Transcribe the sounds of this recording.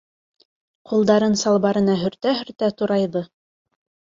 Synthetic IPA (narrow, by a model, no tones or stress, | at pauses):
qulˠd̪ɑɾɤnsɑlˠβɑɾɤ̆nɑɦɵ̆ɾt̪æɦɵ̆ɾt̪æt̪uɾɑjðɤ